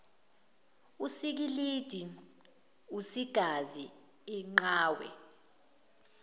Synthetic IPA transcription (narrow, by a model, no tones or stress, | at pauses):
usik̬ilid̥ʱi | usiɡ̥ʱazi | iŋ͡ǃaːwɛ̰